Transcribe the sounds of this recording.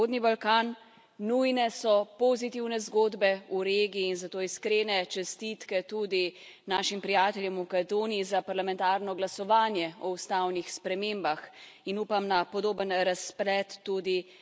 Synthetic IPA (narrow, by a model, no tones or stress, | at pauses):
od̪nibalkaːnː | ujnɛsɔpozit̪iwnɛzɡoːd̪bɛuɾeɡiiːnzat̪oːiskɾenɛt͡ʃɛst̪it̪kɛt̪ud̪i | naːʃimpɾijaːt̪ɛljɛmukat̪oːniizapaɾlamɛ̃nt̪aːɾnɔɡlasɔʋaːnjɛɔust̪awnixspɾɛmembax | inuːpamnapɔd̪oːbənɾasplɛt̪ːuːd̪i